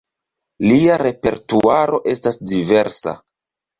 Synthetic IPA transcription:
liaɾe̞pe̞ɾtuaɾo̞ʔe̞stasdive̞ɾsa̰

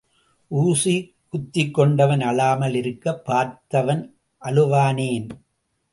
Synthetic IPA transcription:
ʔuːsi | kʊt̪ːɪkːɔɳɖɐʋɐnɐɭaːmɐlɪɾɯkːɐpːaːɾt̪ɐʋɐn | ʔɐlɯʋaːneːn

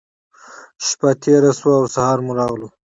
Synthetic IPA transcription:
ʃpat̪ʰeɾaswaːwsahɑɾmuɾɑɣlu

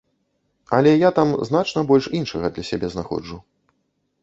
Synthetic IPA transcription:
ɐlʲɛjat̪amzn̪at͡ʂnɐbɔlʲʂinʂɐɣɐd̪lʲɐsʲabʲɛznaxɔ̰d͡ʐu

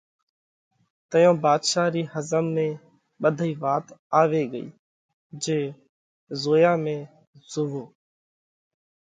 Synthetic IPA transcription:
t̪əjõːbaːd̪ʃaːɾiːhəzəmːẽː | ɓəd̪ʱiːʋaːt̪aːʋeːɡəḭː | d͡ʒeː | zoːjãːmẽː | z̥ʊʋoː

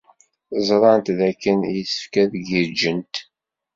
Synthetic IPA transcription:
zˤɾˤɑnt̪ðækːənjəsə̥fkæðɡiɾd͡ʒənt̪

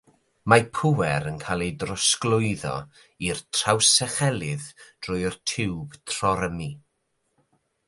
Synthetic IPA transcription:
mapʰʊwɛɾənkʰajlˠejdrɔsklˠʊɨðɔ̰ | irtʰr̥awsɛχɛlˠɪðd̥rʊjrtʰɪwb̥tʰr̥ɔɾəmi

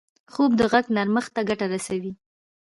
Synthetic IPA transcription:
xob̚d̪əɣaɡnaɾməxt̪aɡaʈaɾasawi

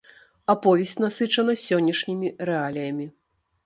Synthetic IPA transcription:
apɔvʲɛsʲt͡sʲnasɨt͡ʂɐnɐsʲɔnʲːɐʂnʲimʲiɾɛalʲijɐmʲi

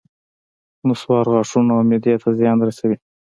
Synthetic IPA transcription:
mʊswɑɾɣɑʂunaawmɪd̪jat̪ʰazjɑnd̪ɾasawi

